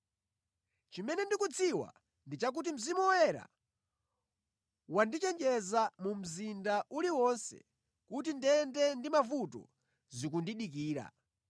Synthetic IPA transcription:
t͡ʃimɛnɛndikut͡sʰiwa̰ | ndit͡ʃak̬ut̬im̩zimuɔwɛɾa̰ | wandit͡ʃɛnd͡ʒɛzamum̩zindaʔuliwɔnsɛ̰ | kut̬indɛndɛndimavutɔ̰ | zik̬undiɗik̬iːɾa̰

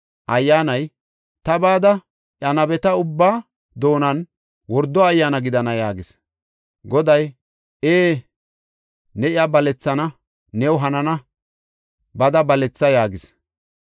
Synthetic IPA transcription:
ʔɐjːaːnɐj | t̪ɐbaːd̪ɐ | ʔɐnɐbɛt̪ɐʊbːaː | d̪o̞ːnɐn | wɔɾd̪ɔɐjːanɐɡɪd̪ɐnɐjaːɡɪs | ɡɔd̪ɐj | ʔeː | nɛɪabɐlɛt͡sːɐnɐ | nɛwʊɦɐnɐnɐ | bɐd̪ɐbɐlɛt͡sːɐjaːɡɪs

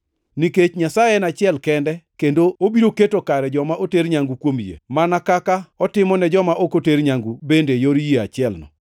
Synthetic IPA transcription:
niket͡ʃɲasajɛnat͡ʃɪɛlkɛndɛkendoobiɾoketokaɾɛd͡ʒɔmaʔoteɾɲaŋɡukwomjḛmanakakaɔtɪmɔnɛd͡ʒɔmaʔokoteɾɲaŋɡubendejoɾjea̰t͡ʃɪɛlnɔ̰

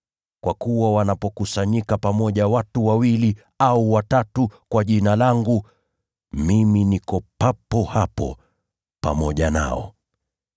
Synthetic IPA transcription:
kwʔakuwawanapɔkusaɲikapamɔʄawatuwawili | auwatatukwaʄinalaŋɡu | miminikɔpapɔhapɔ̰ | pa̰mɔʄana̰ɔ̰

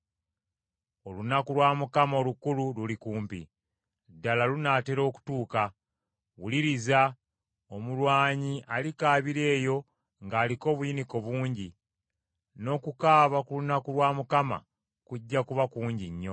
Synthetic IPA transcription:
o̞lunakulwaːmukamao̞lukulululikuːmpḭ | dːalalunaːte̞ɾo̞ːku̥tuːka | wuliɾiza | o̞mulwaːɲiʔalikaːβiɾe̞ːjo̞ | ŋɡaːliko̞ːβujiniko̞βuːɲɟi | no̞ːkukaːβakulunakulwaːmukama̰ | kuɟːakuβakuːɲɟiɲːo̞

